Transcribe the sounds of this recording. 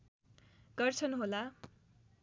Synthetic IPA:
ɡ̥ʌrt͡sʰʌnɦola

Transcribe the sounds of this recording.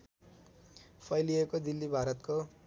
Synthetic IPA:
pʰʌjliekod̪ilːibʱaɾʌt̪ko

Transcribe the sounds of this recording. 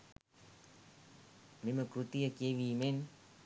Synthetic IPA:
meməkɾut̪ijəkeʋiːmen

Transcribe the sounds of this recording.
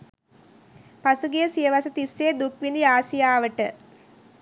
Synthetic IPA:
pasuɡijəsijəʋasət̪isːeːd̪ukʋind̪iaːsijaːʋəʈə

